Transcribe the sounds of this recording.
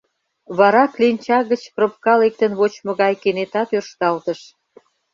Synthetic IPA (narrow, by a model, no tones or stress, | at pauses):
βɑɾɑklinʲt͡ɕɑɣət͡ɕprop̚kɑlek̚t̪ənβot͡ɕmŏɣɑjkenet̪ɑt̪ørʃt̪ɑlt̪ə̆ʃ